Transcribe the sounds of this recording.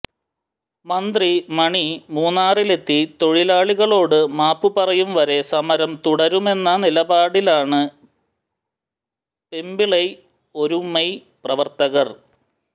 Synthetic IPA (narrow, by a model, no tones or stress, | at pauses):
mɐnd̪rimɐɳimuːnːaːrile̞t̪ːit̪o̞ɻilaːɭiɣɐɭo̞ːɽɨmaːpːupɐrɐjumʋɐɾe̞sɐmɐɾɐmt̪uɽɐɾume̞nːɐnilɐbaːɽilaːɳɨ | pe̞mbiɭɐj | o̞ɾumɐj | prɐʋɐrt̪ɐɣɐr